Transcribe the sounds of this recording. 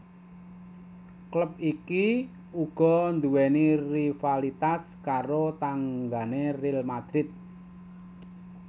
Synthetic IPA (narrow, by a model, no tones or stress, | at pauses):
kləp̚iki | uɡ̥ɔ̤nd̪uwɛnirifalit̪askaɾot̪aŋɡanerilmad̪̥ɾɪt̪̚